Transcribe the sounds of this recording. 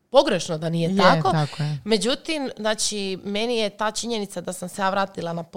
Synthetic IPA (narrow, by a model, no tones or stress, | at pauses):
po̞ɡɾeʃnod̪anijet̪ako̞me̞d͡ʒut̪imznaːt͡ʃimenijet̪aːt͡ʃiɲe̞nit̪sad̪asamse̞jaːʋɾaːt̪ilˠanap